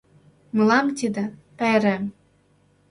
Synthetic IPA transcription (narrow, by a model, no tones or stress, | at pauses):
mɤ̆lɑmt̪id̪ĕpæeɾem